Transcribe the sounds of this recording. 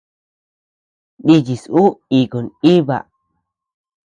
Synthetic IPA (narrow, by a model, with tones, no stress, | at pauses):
ɗi˧d͡ʒi˨su˦i˨ko˨ni˦βa̰˨